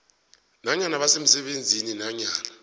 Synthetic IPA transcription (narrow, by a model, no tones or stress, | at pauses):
naɲanaɓasem̩sɛɓend͡zʱininaɲaːna